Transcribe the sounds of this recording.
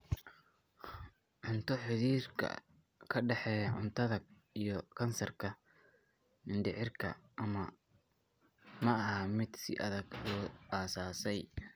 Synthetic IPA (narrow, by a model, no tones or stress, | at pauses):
ʕʊnt̪ʰɔħɪðiːrkʰɐ̰ | kʰɐɖɛħɛːʕʊnt̪ʰɐðɐ | ijɞkʰɐnsɐrkʰɐ | nɪnɖ̪ɪʕɪrkʰɐ̰ʔɐmɐ | mɐɐɦɐmɪd̪sɪ̰ʔɐðɐɡlɔːaːsaːsɛj